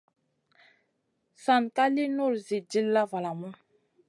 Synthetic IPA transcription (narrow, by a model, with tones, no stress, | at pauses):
sa˨nka˦li˦no˦˨ɾzi˨di˦lːa˦va˨la˨ma˦